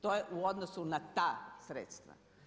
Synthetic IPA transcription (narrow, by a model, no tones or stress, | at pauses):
t̪ojeʔuod̪nosunat̪aːsɾḛt̪st̪ʋa̰